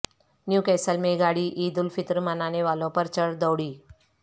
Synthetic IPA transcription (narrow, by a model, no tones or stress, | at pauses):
njukɛsəlmẽɡaɽiːʔiːd̪ulfit̪ɾəmənaneʋalõpəɾt͡ɕəɽd̪ɔwɽiː